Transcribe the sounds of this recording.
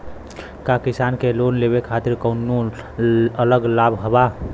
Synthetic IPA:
kakisankelonleβekʰat̪iɾkəʊnːo | ələɡlabʱɦəba

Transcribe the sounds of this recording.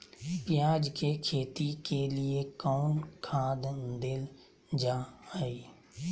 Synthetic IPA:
pɪjaːd͡ʒkekʰeːt̪ikeliekɔːnkʰãːd̪d̪ɪl | d͡ʒaaiː

